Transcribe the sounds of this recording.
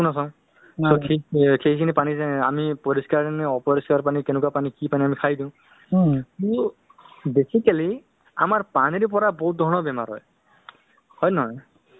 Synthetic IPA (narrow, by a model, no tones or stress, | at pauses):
unas̬ã | sokʰekʰeɦikʰinipanizaa̰mipɔɹiskaɹnɛɔpɔɹiskaɹpanikenɛkuwapanikipaniamikʰajdĩʊ̃ | tu | besikali | a̰maɹpaniɹip̬ɔɹabɔɦut̪̚d̪ʱɔɹnɔbɛma̰ɹɦɔ̰j | hɔjnɔɦɔj